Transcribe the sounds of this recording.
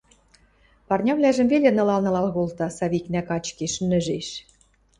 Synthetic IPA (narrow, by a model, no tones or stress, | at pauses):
pɑrnʲɑβlʲæʒə̆mvelʲĕnɤ̆lɑlnɤ̆lɑlɣolt̪ɑsɑβiknækɑt͡ɕkeʃnɘ̆ʒeʃ